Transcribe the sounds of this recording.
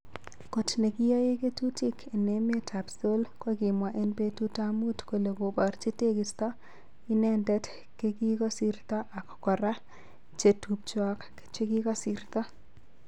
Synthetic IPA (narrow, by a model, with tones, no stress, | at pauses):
ko˨tne˨kɪ˦jɔ˦je˦ke˦tu˦ti˦kʰe˨ne˨m˦e˦ta˨pso˦lko˦ɡɪ˨mwa˨ʔe˦npe˦tu˦ta˦mu˦tko˨le˨ɡo˨bɔ˨ɾt͡ʃi˦te˦kɪ˨st̪ɔ˦ | ɪ˦nɛ˦ndɛ˦t | ke˦ki˦kɔ˦si˦ɾt̪ɔ˦ʔa˨kkɔ˨ɾa˦ | t͡ʃe˨tu˨p̚t͡ʃwɔ˦k | t͡ʃe˦ɡi˦kɔ˦si˦ɾt̪ɔ˦